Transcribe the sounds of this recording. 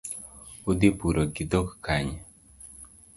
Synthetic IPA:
ud̪ipuɾɔkid̪okkaɲ

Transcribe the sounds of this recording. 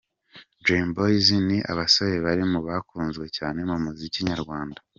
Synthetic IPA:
dɾenbojiziniʔa̰βasoβe̞βaɾimuβakuːnzɡwe̞caːne̞mumuziciɲaɾɡwaːnda

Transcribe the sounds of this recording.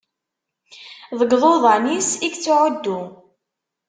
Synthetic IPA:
ðˤəɡðˤoðˤɑnisiɡt͡sːʊʕʊd̪ːu

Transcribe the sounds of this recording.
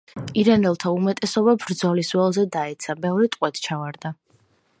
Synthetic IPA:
iɾanɛlˠt̪ʰaumɛt̪ʼɛsɔbabɾd̪zɔliswɛlˠzɛd̪aɛt̪sʰabɛvɾit̪ʼqʼwɛt̪ʰt͡ʃʰavaɾd̪a

